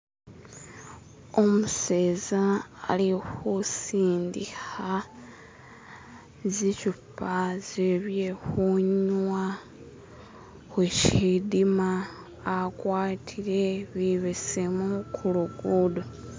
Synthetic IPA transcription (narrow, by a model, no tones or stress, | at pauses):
o̞museːzaːlixusiːndixa | zicupːazeβjexuɲwa | xweʃidimaː | kwaːtʰiɾe̞βiβesemukʰuluɡudo